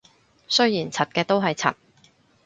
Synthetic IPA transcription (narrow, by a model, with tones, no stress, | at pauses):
sɵ˥jjiː˨˩nt͡sʰɐ˨t̚kɛː˧t̪o˥wɦɐ˨jt͡sʰɐ̰˨˩t̚